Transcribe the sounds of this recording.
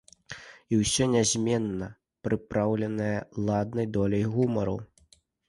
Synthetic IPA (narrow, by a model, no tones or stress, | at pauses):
iwsʲɔnʲazʲmʲɛnːɐ | pɾɨpɾawlʲɛnɨjɐlˠad̪̚nɐjd̪ɔlʲɐjɣumɐɾṵ